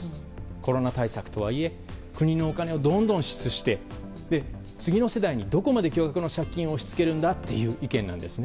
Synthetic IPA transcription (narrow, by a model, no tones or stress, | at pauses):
sɨ̥ | ko̞ɾo̞nat̪aisakɯ̟̥t̪o̞βa̰ie̞ | kɯ̟ɲ̟ino̞ːkane̞od̪õ̞nd̪õ̞ɰ̃ɕi̥t͡sɨɕi̥t̪e̞ | d̪e̞ | t͡sɨɡʲino̞se̞d̪aiɲ̟id̪o̞ko̞mad̪e̞kʲo̞ːɡakɯ̟no̞ɕakʲːĩɰ̃o̞ɕi̥t͡sɨ̥ke̞ɾɯ̟̃nd̪at̪ːe̞̰jɯ̟ːʔikẽ̞nːã̰nd̪e̞sɨne